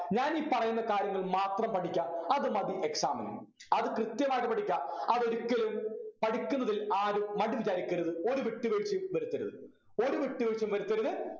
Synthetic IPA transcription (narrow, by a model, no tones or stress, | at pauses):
ɲaːniːpɐrɐjunːɐkaːɾjɐŋːɐɭmaːt̪rɐmpɐʈʰikʲːaːɐðɨmɐd̪jiʔeksaːmɐnɐ̰m | ɐðɨkrɨt̪jɐmaːɣɐpɐʈikʲːaɐðo̞ɾukʲːɐlumpɐʈikʲːunːɐðilaːɾummɐɽiʋit͡ɕaːɾikʲːɐɾɐðɨo̞ɾuʋiʈːɨʋeɻt͡ɕːimʋɐɾut̪ːɐɾuðɨ̰ | o̞ɾuʋiʈːɨʋeɻt͡ɕɐmʋɐɾut̪ːɐɾuðɨ